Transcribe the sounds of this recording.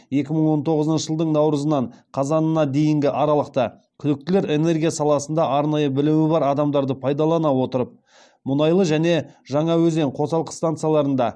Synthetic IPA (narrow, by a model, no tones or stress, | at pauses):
je̞kʲɪməɴwo̞nt̪ʰo̞ʁəzənʃəʒəlˠd̪əɴnɑwɾəzənɑɴqʰɑzɑnənɑd̪e̞jɪŋɡʲɪʔɑɾɑlˠəq̚t̪ə | kʲʰʏd̪ɪk̚t̪ɪle̞ɾe̞ne̞rɡʲijasɑlˠɑsənd̪ɑʔɑɾnɑjəbɪlɪwɪbɑɾɑd̪ɑmd̪ɑɾd̪əpʰɑjd̪ɑlˠɑnɑwo̞t̪əɾəp̚ | mʊnɑjlˠəʒæne̞ʒɑɴɑwɵzeɴqʰo̞sɑlˠqə̥st̪ant̪sɨjalˠɑɾənd̪ɑ